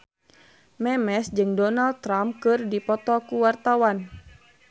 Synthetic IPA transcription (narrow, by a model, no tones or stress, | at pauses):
mɛmɛsd͡ʒɨŋdɔnald̚t̪ɾamkɨrdipɔt̪ɔkuwart̪awan